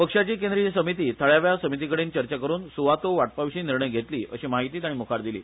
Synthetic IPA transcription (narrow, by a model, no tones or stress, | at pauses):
pəkʂat͡ɕiːk̬ẽnd̪ɾisəmit̪̬iːt̪ʰəɭjaʋjasəmit̪̬ikəɽiːnt͡ɕəɾt͡ɕakəɾuːnsuʋat̪oʋaʈ̚paʋɕiːniɾɳəjɡʱet̪liːʔə̰ɕimaɦit̪iːt̪aɽ̃imukʰaɾd̪ilḭː